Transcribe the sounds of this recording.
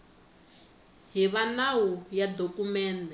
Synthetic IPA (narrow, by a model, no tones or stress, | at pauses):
ɦiβanawujad̪okumɛːndɛ